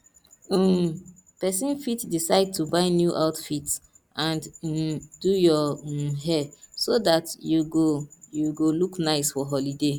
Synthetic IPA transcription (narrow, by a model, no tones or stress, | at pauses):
pɛsĩnfitdisaɪd̚tʰubaɪnjuʔaʊtfit | ʔãn̩ | dujɔɦɛsodatjuɡojuɡoluknaɪsfɔɦɔlide